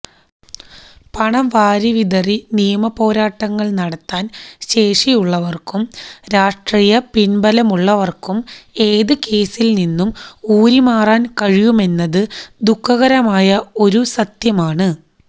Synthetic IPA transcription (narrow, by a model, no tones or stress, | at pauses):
pɐɳɐʋaːɾiʋiðɐrinijɐmɐpo̞ːɾaːʈːɐŋːɐɭnɐɽɐt̪ːaːnɕe̞ːʂijuɭːɐʋɐrkumɾaːʂʈriːjɐpinbɐlɐmuɭːɐʋɐrkume̞ːðɨke̞ːsilninːumuːɾimaːraːnkɐɻijume̞nːɐðɨd̪ukʰːɐɣɐɾɐmaːjɐo̞ɾusɐt̪jɐmaːɳɨ